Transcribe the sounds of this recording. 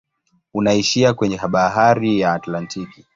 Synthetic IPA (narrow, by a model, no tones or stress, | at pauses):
unaiʃiakwɛɲɛɦaɓaɦaɾijaːtlantʰiki